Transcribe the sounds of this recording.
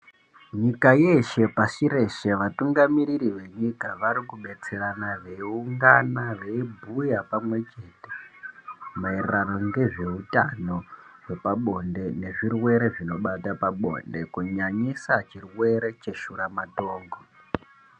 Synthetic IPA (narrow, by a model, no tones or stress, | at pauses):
ɲikaje̞ʃe̞pasiɾe̞ʃe̞ʋatuŋɡamiɾiɾiʋe̞ɲikaʋaɾikuɓe̞t͡se̞ɾanaʐe̞iuŋɡanaʋe̞ibʱujapamwe̞t͡ʃe̞te̥ | maireano̞ŋɡe̞ʐe̞utano̞ʐe̞paɓo̞nde̞ne̞ʐirwe̞ɾe̞ʐino̞ɓatapaɓo̞̰nde̞kuɲaɲisat͡ʃirwe̞ɾe̞t͡ʃe̞ʃuɾamatoːŋɡo